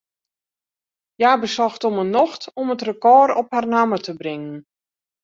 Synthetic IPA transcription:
jaːbəsɔxtɔmənɔxtɔmətrəkɔːrɔpharnamətəbrɪŋən

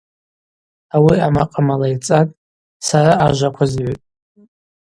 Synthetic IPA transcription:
awiamaqʼamalajt͡sʼatʼ | saɾaaʒʷakʷʰazʕotʼ

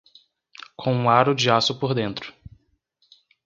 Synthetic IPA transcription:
kʰõũaɾʊd͡ʒiasʊpoɾd̪ẽnt̪ɾʊ̥

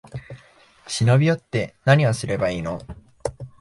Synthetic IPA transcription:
ɕinobʲijo̞t̪ːe̞naɲ̟iβasɨɾe̞baiːno̞̰

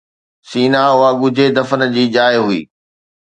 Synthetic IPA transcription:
siːnaʊɦaɡʊd͡ʑʱed̪ɐfən̆d͡ʑiːd͡ʑaːjɦuḭː

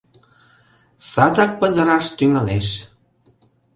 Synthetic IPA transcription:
sɑt̪ɑk̚pəzə̆ɾɑʃt̪yŋɑleʃ

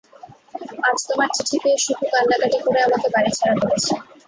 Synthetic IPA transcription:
ad͡ʑt̪omaɾt͡ɕiʈʰit̪eʃud̪ʱukanːakaʈikoɾeamakebaɾit͡ɕʰaɾabolet͡ɕʰe

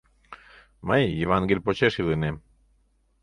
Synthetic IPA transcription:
məjːevaŋɡelʲpot͡ɕeʃilɯnem

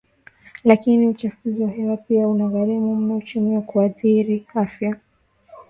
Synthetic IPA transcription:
lakiniut͡ʃafuziwaɦɛwapiaunaɣaɾimum̩naut͡ʃumiakuaθiɾiafja

